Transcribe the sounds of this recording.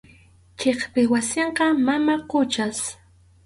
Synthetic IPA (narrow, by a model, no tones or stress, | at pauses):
t͡ʃeχpɪwasɪɴqɑmamaqʊt͡ʃas